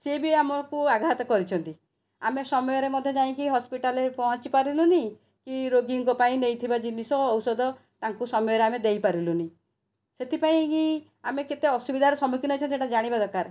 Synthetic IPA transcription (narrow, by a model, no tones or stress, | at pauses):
sebiamɔkuaɡat̪ɔkɔɾit͡ʃʰɔnt̪i | amesɔmɔjɔɾemɔd̪ʱjɔd͡ʒaĩkiɦɔspiʈalepɔɦɔ̃t͡ʃipaɾiluni | kiɾoɡiŋkɔpaĩnejt̪ʰibad͡ʒinisɔːwsɔd̪ɔ | t̪aŋkusɔmɔjɔɾeamed̪ejpaɾiluni | set̪ʰipaĩki | ameket̪eɔsubid̪ʱaɾɔsɔmukinɔjt͡ʃʰɔnseʈad͡ʒaɽ̃ibad̪ɔkaɾ